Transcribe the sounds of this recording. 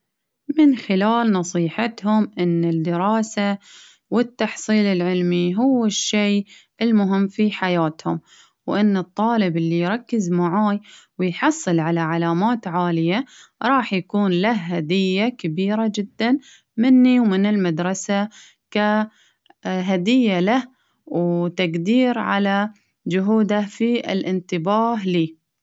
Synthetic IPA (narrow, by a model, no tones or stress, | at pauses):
mɪnxɪlaːlnɑsˤiːħat̪hʊmʔɪnːɪd̪ɪɾɑːsa | wɪt̪ːɑħsˤiːlɪlʕɪlmiɦʊwːɪʃːeː | ɪlmʊɦɪmːfiħajaːt̪hʊm | wʔɪnːɨt̪ˤːɑːlɪbɪlːijɾˤɑkːɪzmaʕaːjwɪjħɑsˤːɨlʕalaʕalaːmaːt̪ʕaːlɪjaɾˤɑːħjakuːnlahːad̪ɪjːakabiːɾad͡ʒɪd̪ːan | mɪnːiwmɪnɪlmad̪ɾˤɑsa | ka | ɦad̪ɪjːalah | wt̪aɡd̪iːɾʕa̰la | d͡ʒʊɦuːd̪afiɪ̰lʔɪnt̪ɪbaːɦliː